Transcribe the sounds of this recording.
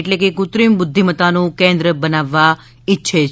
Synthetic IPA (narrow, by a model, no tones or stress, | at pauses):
eʈlekekʊt̪ɾimbʊd̪ʱːimət̪anũkẽnd̪ɾəbənaʋːa | ɪtːʃʰe